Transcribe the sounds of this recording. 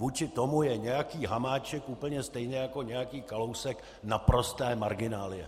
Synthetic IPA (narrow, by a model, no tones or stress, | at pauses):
vuːt͡ʃɪt̪o̞mujɛɲɛjakiːɦamaːt͡ʃɛkʔuːpl̩ɲɛst̪ɛjnɛjako̞ɲɛjakiːkalo̞wsɛk | napɾo̞st̪ɛːmaɾɡɪnaːlɪjɛ̰